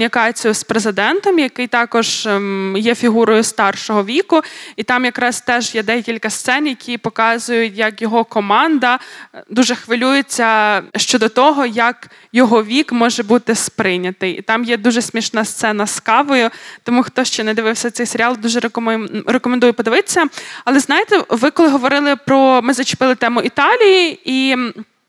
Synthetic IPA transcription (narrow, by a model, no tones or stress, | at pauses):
nʲikɑt͡sʲijʊspɾezɪd̪ɛnt̪ɔmjɐkɪjt̪ɑkɔʒ̥jɛfʲiɦuɾɔjʊst̪ɑrʃɔɦɔʋʲikʊit̪ɑmjɐkɾɑst̪ɛʒjɛd̪ɛkʲilʲkɐst̪sɛnjɐkʲʰijpɔkɑzʊjʊtʲjɐkjɔɦɔkɔmɑnd̪ɐd̪uʒɛxʋɪlʲujet͡sʲːɐʃt͡ʃɔd̪ɔt̪ɔɦɔjɐk | jɔɦɔʋʲikmɔʒɛbut̪ɪspɾɪnʲɐt̪ɪjḭt̪ɑmjɛd̪uʒɛsʲmʲiʃnɐst̪sɛnɐskɑʋɔjʊt̪ɔmuxt̪ɔʃt͡ʃɛnɐd̪ɪʋɪwsʲɐtsɛjseɾʲɑlˠd̪uʒɛɾeɾekɔmend̪ujɛpɔd̪eʋɪt̪e̥sʲːɐɐlˠɛznɑjet̪ɛʋɪkɔlˠɪɦɔʋɔɾɪlˠɪpɾɔmɪzɐt͡ʃɪ̥pɪlˠɪt̪ɛmʊʔit̪ɑlʲijii